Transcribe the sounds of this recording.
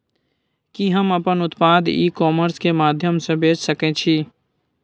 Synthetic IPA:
kiɦɐmɐpənʊt̪paːd̪iːkɔːməɾskemaːd̪ʱjəmsebeːt͡ʃsəkẽt͡ʃʰi

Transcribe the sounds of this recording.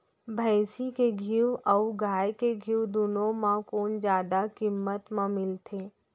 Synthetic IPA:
bʱaːsikeɡʱiwɐwɡaːjkeɡʱiuwd̪unõmãkoːnd͡ʒjaːd̪akimːət̪mãmɪlt̪ʰeː

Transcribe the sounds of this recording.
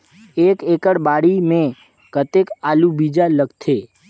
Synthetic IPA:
ekekəɽbaɽimẽ | kət̪ekalubid͡ʒaləɡt̪ʰe

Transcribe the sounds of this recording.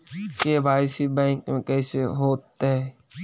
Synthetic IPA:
kebʱaːɪsibɛ̃ːŋkmẽkɛːseɦoːt̪ɦɛ

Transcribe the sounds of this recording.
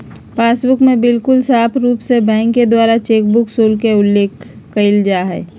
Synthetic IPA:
paːsbʊkmẽbɪlkʊlsaːpʰɾuːpsebɛ̃ːŋkːed̪waːɾat͡ʃeːk̚bʊksoːlkeʊlːeːkː | əɪld͡ʒaːɦɛ̰ː

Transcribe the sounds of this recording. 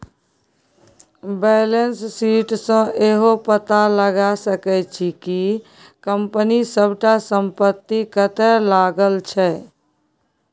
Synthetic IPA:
bɛlensːiʈsə̃eɦopət̪aləɡasəkɛt͡ʃʰiki | kəmpənisəbʱʈasəmpət̪ːikət̪ɛlaɡəlt͡ʃʰɛ

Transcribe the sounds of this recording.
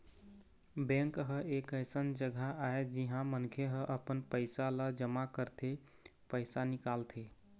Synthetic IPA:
bɛ̃ŋkɦəekəjsənd͡ʒəɡaaed͡ʒiɦãmənkʰeɦəʔəpənpəɪsaləd͡ʒəmakəɾt̪ʰe | pəɪsanikalt̪ʰe

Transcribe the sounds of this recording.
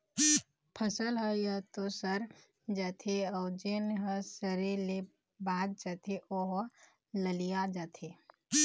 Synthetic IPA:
pʰəsəlɦəjət̪osəɾ | d͡ʒət̪ʰeɔʊd͡ʒenɦəsəɾele | baːd̪̚d͡ʒət̪ʰeʔoɦ | ləlijad͡ʒat̪ʰe

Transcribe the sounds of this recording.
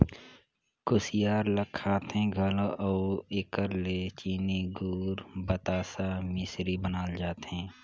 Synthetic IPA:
kʊsijaːɾləkʰːaːt̪ɦẽɡʱəloʔɔːɪkəɾlet͡ʃiːniɡuːɾbət̪aːsamɪsɾibənaːld͡ʒaːt̪ɦẽː

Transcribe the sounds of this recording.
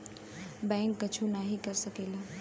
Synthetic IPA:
baŋkːət͡ʃʰunaɦikəɾsəkelə

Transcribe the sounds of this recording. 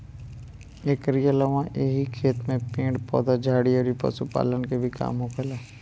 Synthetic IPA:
eːkɾijələʋãʔeɦikʰeːt̪mẽpẽːɳɖpɔ̰ːd̪ad͡ʒʱaːɽiɔːɾipɐ̰supa̰ːlənkebʱika̰ːmõkəlaː

